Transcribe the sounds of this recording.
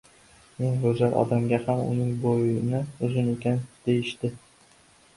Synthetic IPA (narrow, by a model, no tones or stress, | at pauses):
me̞ŋbɵzaɾʔɒ̰d̪amɡʲahamʊ̰nɪŋbojɪnɪʊzʊne̞kʲand̪̥ejɪʃt̪ɪ